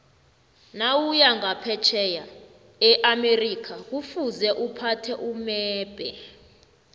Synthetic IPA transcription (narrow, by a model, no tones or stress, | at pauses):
nawujaŋapʰɛt͡ʃʰɛja | ɛʔamerikʰak̬ufuzɛʔupʰatʰɛʔumɛːb̥ʱɛ